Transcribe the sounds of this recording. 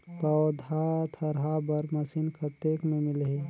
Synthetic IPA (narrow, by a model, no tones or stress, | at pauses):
pɐwd̪ʱat̪ʰɐɾɦabɐɾmɐsiːnkat̪eːkmẽmɪlɦe